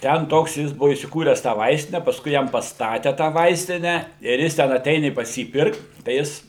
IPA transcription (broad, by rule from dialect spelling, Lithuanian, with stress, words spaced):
ˈtʲɛn ˈtoːks ˈjɪs ˈbʊʋoː iːsʲɪˈkuːrʲɛs tɑː ˈʋɐɪsʲtʲɪnʲɛ pɐsˈkʊɪ ˈjɛm pɐsˈtɑːtʲɛ tɑː ˈʋɐɪsʲtʲɪnʲæː ɪr ˈjɪs tʲɛn ɐˈtʲɛɪnʲɪ pɐs ˈjiː pʲɪrkt tɐɪ ˈjɪs